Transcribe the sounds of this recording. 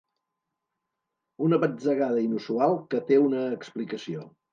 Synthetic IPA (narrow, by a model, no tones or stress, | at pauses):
unəβəd͡zəɣaðəinusualˠkət̪eunəːksplikəsio